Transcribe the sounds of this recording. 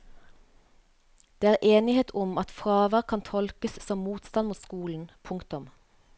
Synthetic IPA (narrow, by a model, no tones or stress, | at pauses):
d̪̥eːæːʁʔeːnɪheːt̪ʰʊmɑt̪fʁɑːʋəʁkʰɑnt̪ʰɔlkəssɔmmuːt̪st̪ɑnmuːt̪skuːln̩pʰʊŋkt̪ʊm